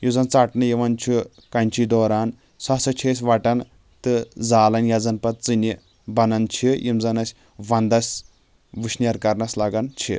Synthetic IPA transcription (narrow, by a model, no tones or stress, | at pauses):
jid͡zɐnt͡saʈnɨjiʋɐnt͡ʃʰi | kɐnʲt͡ʃʰid̪ɔːɾaːn | sasɐt͡ʃʰes̬ʲʋaʈɐn | t̪ɨd͡zaːlɐnjad͡zɐnpɐt̪̚t͡sɨnʲi | bɐnɐnt͡ʃʰijʔimd͡zɐnɐsʲ | ʋɐnd̪ɐsʲ | ʋɨʃniɐɾkɐɾnɐslaɡɐnt͡ʃʰḭ